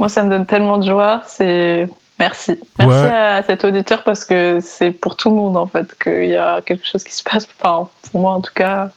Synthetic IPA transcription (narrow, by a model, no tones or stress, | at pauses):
mwasaməd̪ɔnt̪ɛlmɑ̃d̪əʒwaʁsɛ | mɛʁsimɛʁsiasɛt̪od̪it̪œʁpaʁsə̥kəsɛpuʁt̪uləmɔ̃d̪ɑ̃fɛt̪kʰə̰iljakʲɛlkə̥ʃozkʲi̥sə̥pasfɛ̃pʰuʁmwaɑ̃t̪u̥ka